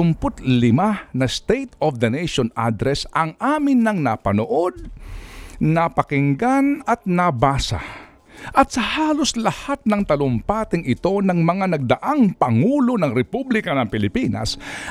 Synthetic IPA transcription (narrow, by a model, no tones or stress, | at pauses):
ʊmpʊt̪lɪmanɐst̪ejt̪ɔfd̪ɐnɛjʃonʔa̰d̪ɾɛsʔɐŋʔaːmɪnːɐŋnɐpɐnoʔod̪̚ | nɐpɐkɪŋɡanɐt̪̚nɐbaːsɐ̰ | ʔɐt̪sɐhaːloslɐhat̪̚nɐŋt̪ɐlʊmpaːt̪ɪŋɪt̪o̞nɐŋmɐŋanɐɡ̚d̪ɐʔaŋpɐŋuːlo̞nɐŋɾɛpublɪkɐnɐŋpɪlɪpinɐ̰s